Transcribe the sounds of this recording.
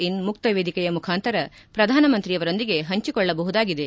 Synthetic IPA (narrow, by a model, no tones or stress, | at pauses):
inmuk̚t̪ɐʋeːd̪ikɛjɐmukʰaːnt̪ɐɾɐ | pɾɐd̪ʱaːnɐmɐnt̪ɾiɐʋɐɾo̞nd̪iɡe̞ɦɐɲt͡ʃikɔɭːɐbɐɦud̪aːɡid̪e̞